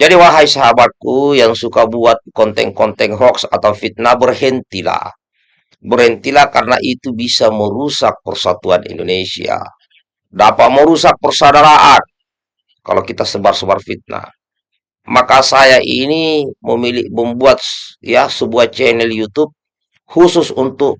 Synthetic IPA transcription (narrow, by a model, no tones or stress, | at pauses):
d͡ʒadiwaɦaisaɦabat̪̚kujaŋsukabuat̪̚kɔnt̪ɛ̰ŋkɔnt̪ɛŋɦɔksat̪aufit̪̚nabərɦɛnt̪ila̰ | bərhɛnt̪ilakarna̰ʔit̪ubisaməɾusak̚pərsat̪uanḭndonesḭa̰ | dapaʔ̪məɾusak̚pərsadaɾaʔan | ka̰lokit̪asəbarsəbarfit̪̚na̰ | makasajaʔiniməmilḭʔməmbuat̪̚jasəbuat͡ʃɛnɛljut̪up̚ | hususunt̪uk